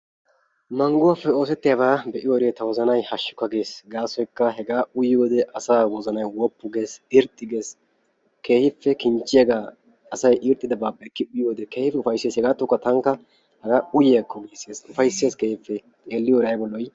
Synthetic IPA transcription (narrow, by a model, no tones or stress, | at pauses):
mɐŋɡʊwaːfːɛo̞ːs̬ɛt̪ːɪjabaːbɛʔɪjoɾeːt̪ɐwɔzɐnɐjhɐʃːʊ̥kːɐɡe̞ːsɡaːsɔjkːɐɦɛɡaːʊjjoːd̪ɛʔɐsaːwɔzɐnɐjwɔpːʊɡeːsɪɾt̪ʼːɪɡeːs | kʰe̞ːhɪfːɛkɪnt͡ʃːɪjaɡaː | ɐsɐjʔɪɾt̪ʼːɪd̪ɐbaːpːɐkːɪʊjjoːd̪ɛke̞ːhɪfːɛʊfɐjsːeːshɛɡaːt̪ːʊkːɐt̪ɐŋkːɐ | hɐɡaːʊjɪjɐkʰːɔɡeːsːeːsʊfɐjsːɪjeːskeːhɪfːɛ | eːlːɪjɔɾɐjbɔlːɔj